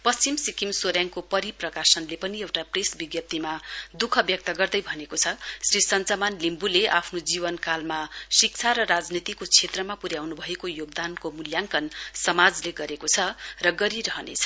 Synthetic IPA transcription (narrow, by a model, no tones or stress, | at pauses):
pʌst͡simsikimsoɾjaŋkopʌɾiprʌkasʌnlepʌniewʈapresbiɡjʌp̚t̪imad̪ukʰʌbjʌk̚t̪ʌɡʌrd̪ʌjbʱʌnekot͡sʰʌsrisʌnt͡sʌmanlimbuleʔapʰnod͡zibʌnkalmasik̚t͡sʰaɾʌɾad͡znit̪ikot͡sʰet̪rʌmapuɾjawnubʱʌekojoɡ̚d̪ankomuljaŋkʌnsʌmad͡zleɡʌɾekot͡sʰʌrʌɡʌɾiɾʌɦʌnḛt͡sʰʌ̥